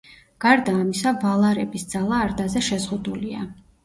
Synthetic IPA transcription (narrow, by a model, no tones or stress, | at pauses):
ɡ̥aɾd̪aːmisavalˠaɾɛbisd̪zalˠaːɾd̪azɛʃɛzʁud̪ulia̰